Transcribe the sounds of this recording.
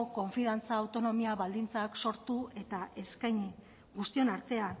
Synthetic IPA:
oko̞ɱfiðant͡saːwt̪o̞no̞miaβald̪int͡saːkso̞ɾt̪ue̞t̪aʔe̞skajɲi | ɡust̪io̞naɾt̪e̞an

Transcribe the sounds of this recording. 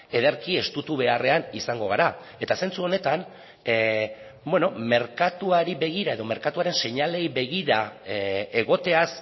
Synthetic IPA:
e̞ðeɾkie̞st̪ut̪uβe̞are̞anisaŋɡo̞ɣ̞aɾa | e̞t̪ase̞nt͡suo̞ne̞t̪an | bweno̞me̞ɾkat̪uaɾiβe̞ɣ̞iɾae̞ðo̞me̞ɾkat̪uaɾe̞nse̞ɲale̞jβe̞ɣiɾa | e̞ɣ̞o̞t̪e̞as

